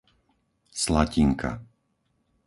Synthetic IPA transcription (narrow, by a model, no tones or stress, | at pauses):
slaciŋkʰa̰